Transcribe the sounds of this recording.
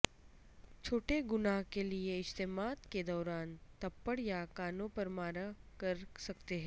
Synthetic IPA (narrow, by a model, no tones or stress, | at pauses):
t͡ʃʰoːʈeɡʊnaɦkelieɪst̪emaːd̪ked̪ɔːɾaːnt̪ɐpːəɽjakaːnõpɐɾmaːɾakɐɾsɐkt̪eɦɛ̃ː